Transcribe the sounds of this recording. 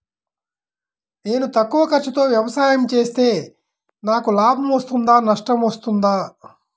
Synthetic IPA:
ne̞ːnut̪ɐkːuʋɐkɐɾt͡ʃɐt̪o̞ːʋjɐʋɐsaːjɐmt͡ʃe̞ːst̪e̞ː | naːkulaːbʱɐmʋɐst̪und̪aːnɐʂʈɐmɐst̪und̪aː

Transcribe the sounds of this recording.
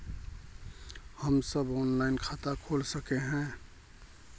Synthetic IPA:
həmsəbɔːnlaːɪnkʰaːt̪akʰoːlsəkeɦɛ̃

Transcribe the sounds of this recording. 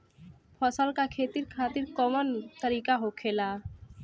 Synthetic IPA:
pʰɔsəlkakʰeːt̪iɾkʰaːt̪iɾkɔmənt̪əɾiːkaɦokʰeːlaː

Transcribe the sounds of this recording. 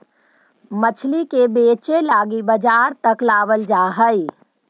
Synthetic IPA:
mət͡ʃʰlikebet͡ʃelaːɡibəd͡ʒaːɾt̪əklaːbəld͡ʒaːɦəj

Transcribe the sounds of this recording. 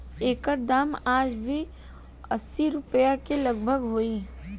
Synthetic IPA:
eːkəɾd̪aːmaːd͡ʒbʱi | əsːiɾʊpəjakeləɡbʱəɡɦoːiː

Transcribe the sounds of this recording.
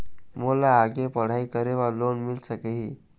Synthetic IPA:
molaːɡepəɽ̤aikəɾeʋalonmilsəkeɦiː

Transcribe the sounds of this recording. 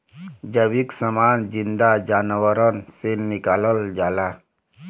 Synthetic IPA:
d͡ʒəwiksəmaːnzind̪ad͡ʒaːnwəɾənsenikaːləld͡ʒaːla

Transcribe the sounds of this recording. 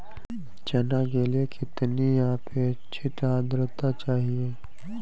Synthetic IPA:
t͡ʃɐnaɡeliekʰɪt̪nijãpʰet͡ʃʰɪʈaːd̪ɾət̪at͡ʃaːɦieː

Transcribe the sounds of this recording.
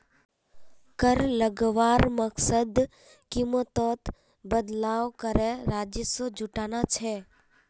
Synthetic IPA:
kəɾləɡʋaːɾməksəd̪ | kɪmot̪ɔːt̪ | bəd̪laːʋkəɾeɾaːd͡ʒəsod͡ʒuʈaːnat͡ʃʰɛː

